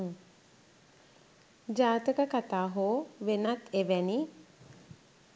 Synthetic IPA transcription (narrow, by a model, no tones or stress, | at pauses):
d͡ʒaːt̪əkəkat̪aːɦoːʋenat̪eʋæni